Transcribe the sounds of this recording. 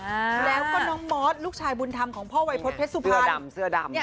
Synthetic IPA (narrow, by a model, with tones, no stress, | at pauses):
a˧lɛː˦˥wkɔː˥˩nɔː˦˥ŋmɔː˦˥t̪̚luː˥˩k̚t͡ɕʰaː˧jbuː˧nt̪ʰa˧mkʰɔː˩˦ŋpʰɔː˥˩wa˧jpʰo˦˥t̪̚pʰe˦˥t̪̚su˨˩pʰːa˧msɯ˥˩da˧m˧˩